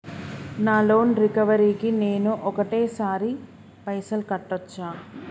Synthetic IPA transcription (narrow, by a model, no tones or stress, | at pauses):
naːlo̞ːnɾikɐʋɐɾiːkine̞ːnuʔɔkɐʈeːsaːɾi | pɐjsɐlkɐʈːɐt͡ʃːaː